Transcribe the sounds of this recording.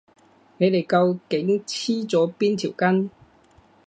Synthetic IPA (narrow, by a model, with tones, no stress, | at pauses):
ne˨˧jle˨˩jkɐ˧wke˨˥ŋt͡sʰiː˥t͡sɔː˨˥piː˥nt̪ʰi˨˩wkɐ˥n